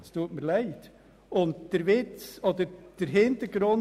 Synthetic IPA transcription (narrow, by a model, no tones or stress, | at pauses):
st̪ʰuːtməɾlæɪt | ʊntd̥ɛɾʋɪt͡soːd̪əɾd̥ɛɾɦɪnt̪əɾɡɾʊn